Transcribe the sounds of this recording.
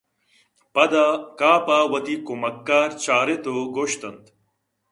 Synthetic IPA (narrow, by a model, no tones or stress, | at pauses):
pɐd̪aːkaːpaːwɐt̪ikumɐkːaːɾt͡ʃaːɾet̪oːɡoːʃt̪ɐnt̪